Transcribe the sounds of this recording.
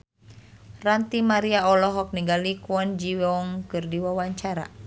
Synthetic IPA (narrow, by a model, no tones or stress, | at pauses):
rant̪imaɾiaɔlɔɦɔk̚niɡalikwɔnd͡ʒiwɔɔŋkɨrdiwawaɲt͡ʃaɾa̰